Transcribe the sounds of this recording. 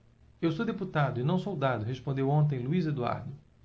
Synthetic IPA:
ewsowd̪eput̪ad̪ʊɪnɐ̃w̃sowd̪ad̪ʊɦespõnd̪ewõnt̪̬ẽj̃luized̪ua̰ɾd̪ʊ

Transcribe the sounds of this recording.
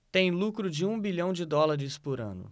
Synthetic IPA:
t̪ẽj̃lukɾʊd͡ʒɪũbiʎɐ̃w̃d͡ʒɪd̪ɔlaɾɪspʊɾɐ̰̃nʊ̰

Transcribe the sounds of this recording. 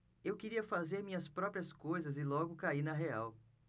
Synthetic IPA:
ewkeɾiɐfazeɾmĩɲɐspɾɔpɾiɐskojzɐzɪlɔɡʊkaiɾnɐɦeaw

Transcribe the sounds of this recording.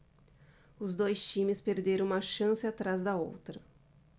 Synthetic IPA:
ʊzd̪ojst͡ʃĩmɪspeɾd̪eɾɐ̃ũmɐʃɐ̃sɪat̪ɾazd̪ɐo̰wt̪ɾɐ

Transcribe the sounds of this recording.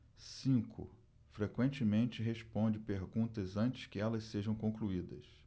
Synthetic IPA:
sĩŋkʰʊ̰ | fɾekwẽnt͡ʃɪmẽt͡ʃɪɦespõnd͡ʒɪpeɦɡũnt̪ɐzɐ̃nt͡ʃɪ̥skɪɛlɐsseʒɐ̃w̃kõkluid̪ɐ̰s

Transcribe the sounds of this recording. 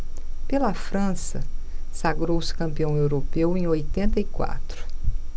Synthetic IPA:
pelɐfɾɐ̃sɐsaɡɾowskɐ̃mpiɐ̃w̃ewɾopewẽj̃ojt̪ẽnt̪ɐikwa̰t̪ɾʊ̥

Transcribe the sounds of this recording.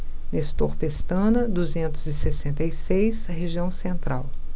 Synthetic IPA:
nest̪oɾpest̪ɐ̃nɐd̪uzẽnt̪ʊzɪsesẽnt̪ɐjsejsheʒiɐ̃w̃sẽnt̪ɾaw

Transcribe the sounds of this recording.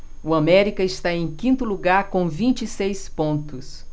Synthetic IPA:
uamɛɾikɐɪst̪aẽj̃kĩnt̪ʊluɡaɾkõw̃vĩnt͡ʃisejspõnt̪ʊs

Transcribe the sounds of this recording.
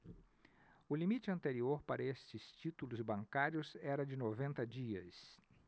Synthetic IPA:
ʊlimit͡ʃɪɐ̃nt̪eɾioɾpaɾɐest͡ʃɪst͡ʃit̪ulʊzbɐ̃ŋkaɾjʊzɛɾɐd͡ʒɪnovẽnt̪ɐd͡ʒiɐs

